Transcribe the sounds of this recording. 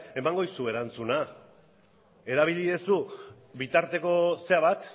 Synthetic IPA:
e̞maŋɡo̞isue̞ɾant͡suna | e̞ɾaβ̞iliðesu | βit̪aɾt̪e̞ko̞se̞aβat̪

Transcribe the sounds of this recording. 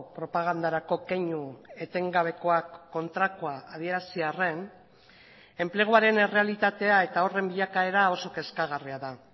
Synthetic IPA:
pɾo̞paɣ̞and̪aɾako̞keɲue̞t̪e̞ŋɡaβe̞ko̞akːo̞nt̪ɾakuaːðie̞ɾasiare̞n | e̞mple̞ɣ̞uaɾe̞ne̞re̞alit̪at̪e̞ae̞t̪ao̞re̞mbiʎakae̞ɾao̞so̞ke̞skaɣ̞ariaða

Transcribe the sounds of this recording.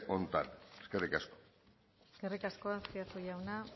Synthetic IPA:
o̞nt̪ane̥skerikasko̥ | eske̞rikasko̞askiat̪uʝawna

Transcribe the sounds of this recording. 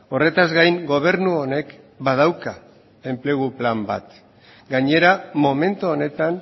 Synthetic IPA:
o̞re̞t̪azɣajŋɡo̞β̞e̞ɾnuone̞k | bað̞awka | e̞mple̞ɣuplamba̰t̪ | ɡaɲe̞ɾamo̞me̞nt̪uone̞t̪an

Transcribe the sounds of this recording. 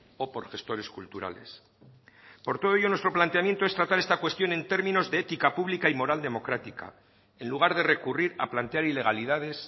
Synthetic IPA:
o̞po̞ɾxe̞st̪o̞ɾe̞skult̪uɾa̰le̞̰s | po̞ɾt̪oðo̞eʝonwe̞st̪ɾo̞plant̪e̞amje̞nt̪oe̞st̪ɾat̪aɾe̞st̪akwe̞st̪jo̞ne̞nt̪e̞ɾmĩno̞zðeet̪ikapuβlikaimo̞ɾald̪e̞mo̞kɾat̪ika̰ | e̞nluɣ̞aɾðe̞re̞kuriɾa̰plant̪eaɾile̞ɣaliðað̞e̞s

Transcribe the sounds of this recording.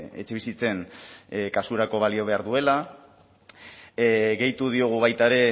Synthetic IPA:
e̞̰t͡ʃe̞β̞isit͡se̞n | kasuɾako̞β̞alio̞β̞e̞aɾðue̞la | ɣe̞jt̪uð̞io̞ɣ̞uβ̞ajt̪aeɾe̞

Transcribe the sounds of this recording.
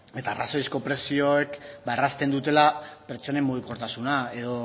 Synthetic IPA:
e̞t̪aːraso̞ðisko̞pɾe̞sioekbaerast̪e̞nd̪ut̪e̞lapeɾt͡ʃo̞ne̞mbuðuko̞ɾt̪asunae̞ðo̞

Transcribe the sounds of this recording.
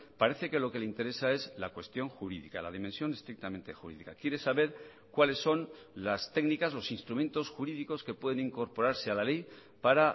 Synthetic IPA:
paɾe̞θe̞ke̞lo̞ke̞leint̪e̞ɾe̞sae̞zlakwe̞st̪jo̞ŋxuɾiðikalaðimẽ̞nsjo̞ne̞st̪ɾik̚t̪ament̪e̞xuɾḭðikakje̞ɾe̞saβe̞ɾ | kwale̞sːo̞n | last̪e̞ɡnikazlo̞sinst̪ɾumẽ̞nt̪o̞sxuɾiðiko̞ske̞pwe̞ðeniŋko̞ɾpo̞ɾaɾsealale̞j | paɾa

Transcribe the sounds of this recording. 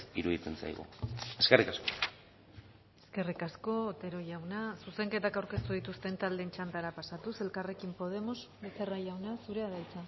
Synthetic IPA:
iɾuðit͡sent͡sa̰jɣṵeskerikasko̞ | e̞ske̞rikasko̞ːt̪e̞ɾo̞ʝawnasuse̞ŋke̞t̪akawɾke̞st̪uðit̪ust̪e̞nt̪ald̪e̞nt͡ʃant̪aɾapasat̪use̞lkare̞kimpo̞ð̞e̞mo̞z | bet͡seraʝawnasuɾe̞aðajt͡sa

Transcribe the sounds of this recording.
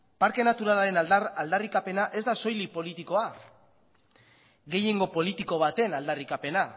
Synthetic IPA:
paɾke̞nat̪uɾalaɾe̞nald̪ald̪arikape̞naʔe̞zd̪aso̞jlipo̞lit̪iko̞a | ɣe̞jeŋɡo̞po̞lit̪iko̞β̞at̪e̞nald̪arikape̞na

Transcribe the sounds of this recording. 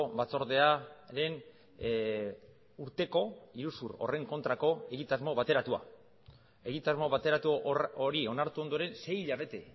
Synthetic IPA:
obat͡so̞ɾðe̞aɾe̞n | uɾt̪e̞ko̞iɾusuro̞̰re̞ŋko̞nt̪ɾako̞e̞ɣ̞it̪azmo̞βat̪e̞ɾat̪ua̰ | e̞ɣit̪azmo̞βat̪e̞ɾat̪uoɾio̞naɾt̪uo̞nd̪o̞ɾe̞nse̞jʎaβ̞e̞t̪e̞̰

